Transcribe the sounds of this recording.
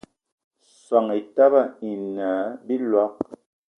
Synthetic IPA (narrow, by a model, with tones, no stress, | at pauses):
swa˨ŋi˨ta˦ba˦˨i˨nə˨˦bi˦lwa˦k̚